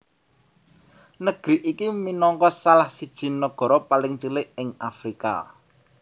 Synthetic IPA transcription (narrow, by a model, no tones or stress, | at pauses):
nəɡ̥ɾiʔikiminɔŋkɔsalahsid̥ʒ̥i̤nːəɡ̥ɔ̤ɾɔpalɪŋt͡ʃəlɪʔɪŋa̰fɾika̰